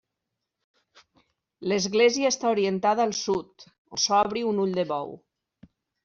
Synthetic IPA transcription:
ləzɣleziəest̪auɾiənt̪aðəːlˠsut̪ | sɔβ̞ɾiunuʎd̪əβɔ̰w

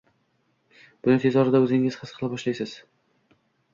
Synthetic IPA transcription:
b̥ʊnɪŋt̪ʰezɒɾɪd̪aɵzɪŋɪz̥χʰɨsqʰɨlˠɪpɒʃlajsɪz̥

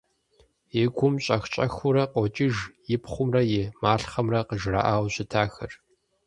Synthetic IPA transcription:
ɪɡʷʊmɕʼɐxt͡ʃʼɐxʊrɐqʷʼɔt͡ʃʼɪʒjɪpχʷʊmrɐjɪmaːɬχɐmrɐqəʒra̰ʔaːwɕɪtʰaːxɐr

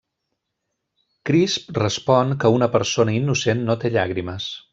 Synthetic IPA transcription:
kɾisprəspɔnkəunəpəɾsonəinːusenːot̪eʎaɣ̞ɾiməs

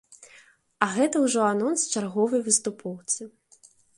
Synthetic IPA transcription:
ɐɣɛt̪ɐwʐɔanɔnst͡ʃarɣɔvɐjvɨst̪upʰɔwt̪sɨ

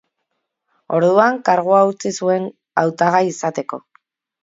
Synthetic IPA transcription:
o̞ɾðuaŋkaɾɣ̞uaut͡sisue̞n | awt̪aɣajisat̪e̞ko̞̰

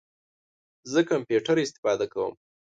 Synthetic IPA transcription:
zəkampjuʈaɾɪst̪ɪ̥fɑd̪akawə̰m

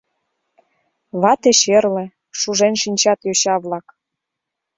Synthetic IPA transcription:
βɑt̪eɕerlĕ | ʃuʒenʃinʲt͡ɕɑt̪joɕɑβlɑk

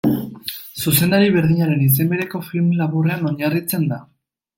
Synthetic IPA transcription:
suse̞naɾiβ̞e̞ɾðiɲaɾe̞nis̬e̞mbeɾe̞ko̞filmlaβure̞ano̞ɲarit͡se̞nd̪a

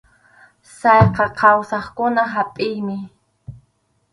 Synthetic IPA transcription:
sɑjqɑqʰɑwsɑχkʊnaɦapʼɪjmɪ

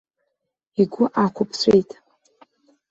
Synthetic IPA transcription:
iɡʷʊʔakʷʰʊpʰsʷʰejtʼ

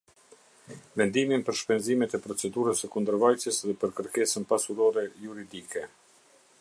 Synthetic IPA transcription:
vɛnd̪iminpəɾʃpɛnzimɛt̪ɛpɾɔt͡sɛd̪uɾəsəkund̪əɾvajsjəsðɛpəɾkəɾkɛsənpasuɾɔɾɛjuɾid̪ikɛ

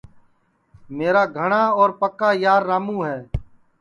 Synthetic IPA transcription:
meːɾaːɡʱəɳãːɔːɾpəkaːjaːɾːaːmũːɦɛː

